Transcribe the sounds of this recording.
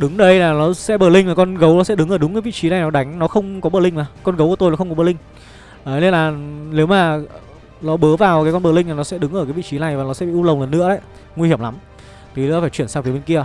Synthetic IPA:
ɗɨ˨˦ŋɗə˧˩ə˧jlaː˨˩nɔ˨˦sɛ̰˧˥ɓəː˨˩lï˧ŋlaː˨˩kɔ˧nɣə˨˦wnɔ˨˦sɛ̰˧˥ɗɨ˨˦ʔəː˧˩ɗɨ˨˦ŋ͡mkaː˨˦vḭ˧˨t͡ɕi˨˦na˨˩jnɔ˨˦ɗa˨˦jŋ̟nɔ˨˦xə˧wŋ͡mkɔ˨˦ɓəː˧˩lï˧ŋ̟maː˨˩kɔ˧nɣə˨˦wku˧˩t̪o˧jaː˨˩xə˧ŋ͡mkə˧˩˧i˧ŋ̟ | əː˨˩˦le˧nlaː˨˩ne˨˦wmaː˨˩ | nɔ˨˦ɓəː˨˦vaː˨˩wkaː˨˦kɔ˧nɓəː˨˩li˧ŋlaː˨˩nɔ˨˦sɛ̰˧˥ɗɨ˨˦ŋʔəː˧˩kaː˨˦vḭ˧˨t͡ɕi˨˦na˨˩jvaː˨˩nɔ˨˦sɛ̰˧˥ɓḭ˧˨ʔu˧˩lə˨˩wlə˨˩nːɨ̰˧˥əɗə̰˧˥˦ | ŋwi˧hi˧˩əmla˨˦m | t̪ʰi˨˩l̰faː˧˩jt͡ɕwi˧˩ənsa˧wfi˨˦ɓe˧nki˧ə

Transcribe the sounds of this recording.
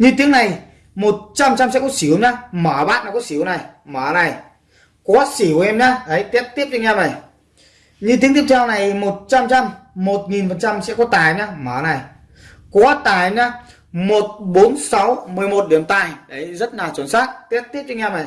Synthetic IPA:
ɲɨ˧t̪i˨˦əŋna˨˩j | mo˨˩t̚t͡ɕa˧mt͡ɕa˧msɛ̰˧˥kɔ˨˦si˧˩əwɲaː˧məː˧˩ɓa̰ː˧˥naː˨˩kɔ˨˦si˧˩˦ə˨wna˨˩jməː˧˩na˨˩j | kɔ˨˦si˧˩əwʔɛ˧mɲaː˨˦ʔə˨˦jt̪i˦˥əp̚t̪i˦˥əp̚t͡ɕɔ˧ɲaː˧mə˨˩j | ɲɨ˧t̪i˨˦ŋt̪i˦˥ət̪ʰɛ˧wna˨˩jmo˨˩t̚t͡ɕa˧mt͡ɕa˧mmo˨˩t̚ŋi˨˩nfə˨˩nt͡ɕa˧msɛ̰˧˥kɔ˨˦t̪aː˨˩˨ɛ˧mɲaː˧məː˧˩na˨˩j | kɔ˨˦t̪aː˨˩ʔɛ˧mɲaː˧˥ | mo˨˩t̚ɓo˨˦nsa˨˦wmɨ˨˩əjmo˨˩t̚ɗi˧˩əmt̪aː˧˨˩jɗə˨˩˦jzə˦˥t̚naː˨˩wt͡ɕɔ˧˩nsaː˦˥k̚t̪i˦˥əp̚t̪i˦˥əp̚t͡ɕɔ˧ŋɲaː˧və˨˩j

